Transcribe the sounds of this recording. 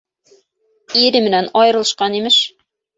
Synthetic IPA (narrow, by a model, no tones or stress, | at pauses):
iɾɘmɘ̆nænɒjɤ̆ɾɤ̆lˠɤ̆ʃqɑnimɘʃ